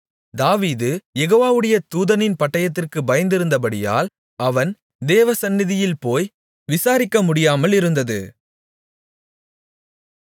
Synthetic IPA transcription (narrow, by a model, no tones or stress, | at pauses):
d̪aːʋiːðɯjɛɣoːʋaːʋɯɽɐjɐt̪uːðɐnɪnpɐʈːɐjɐt̪̬ːɪrkɯbɐjɐnd̪ɪɾɯnd̪ɐpɐɽɪja̰ːl | ɐʋɐn | d̪eːʋɐsɐnːɪðɪjɪlpoːj | ʋɪsaːɾɪkːɐmʊɽɪjaːmɐlɪɾɯnd̪ɐðɯ̰